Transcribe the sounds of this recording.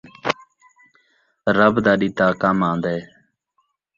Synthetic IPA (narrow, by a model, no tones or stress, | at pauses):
ɾəbd̪aːɗiːt̪aːkamãːnd̪eː